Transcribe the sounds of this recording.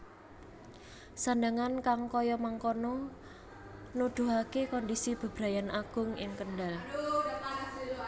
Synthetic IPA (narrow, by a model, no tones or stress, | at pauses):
sandaŋankaŋkɔjɔmaŋkonɔ | nud̪̥ṳɦakekɔndisib̥a̤b̥ɾajanʔaɡ̥ʊ̤ŋɪ̰ŋkənɖal